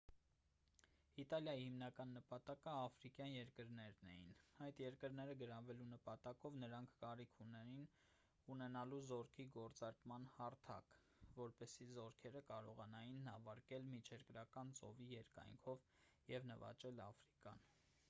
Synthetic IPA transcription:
it̪ɑljɑjihimnɑkɑnːəpɑt̪ɑkəɑfɾikjɑnjɛɾkəɾnɛɾnɛ̰jḭnɑjt̪jɛɾkəɾnɛɾəɡəɾɑvɛlunəpɑt̪ɑkɔvnəɾɑŋkʰkɑɾikʰunɛɾin | unɛnɑluzɔɾkʰiɡɔɾt͡sɑɾkmɑnhɑɾt̪ʰɑ̰k | vɔɾpɛsizɔɾkʰɛɾəkɑɾɔʁɑnɑjinːɑvɑɾkɛlmit͡ʃʰɛɾkɾɑkɑnt͡sɔ̰vijɛɾkɑ̰jŋkʰɔv | jɛvnəvɑ̰t͡ʃɛlɑfɾikɑ̰n

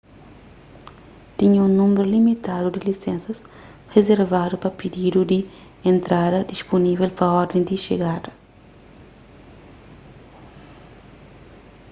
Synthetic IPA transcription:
t̪iɲũnũmbeɾulimit̪ad̪ud̪ilisẽnsɐs | rezeɾvad̪upɐpid̪id̪ud̪i | ẽnt̪ɾad̪ɐd̪isponivelpɐɔɾd̪ẽnd̪iʃḛɡad̪ɐ

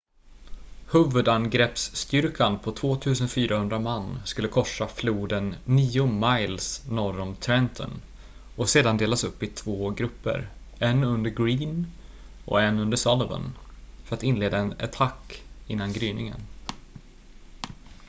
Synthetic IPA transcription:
hʉːvɵd̪anɡɾɛpsːt̪ʏɾkʰanpʰɔt̪ʰv̥oːt̪ʰʉ̟ːsənfyːɾahɵnd̪ɾamanːskɵlːəkʰɔʂːafluːd̪ənːiːʊmajlsnɔɾɔnt̪ʰɾɛnt̪ʰɔ̰n | ɔseːd̪and̪eːlasɵpːɪt̪ʰv̥oːɡɾɵpːə̰ɾ | ɛnɵnd̪əɾɡɾiːn | ɔ̰ɛnɵnd̪əsɔlɔvə̰nfœɾat̪ɪnleːd̪aɛnɛ̰t̪ʰakːɪnːanɡɾyːnɪ̰ŋə̰n

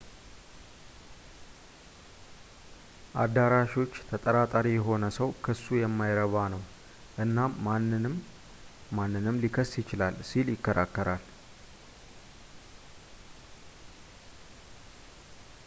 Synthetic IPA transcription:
ʔa̰d̪aɾaʃo̞t͡ʃːt̪ʰət̪ʼəɾat̪ʼaɾijɛɦo̞nəsəwkʰɨsːujɛmːajɾəβanəw | ʔɨnːaːanːɨmː | anːɨnɨmlikʰəsjɪt͡ʃɪlalsiljɪkːəɾʔa̰kːəɾal

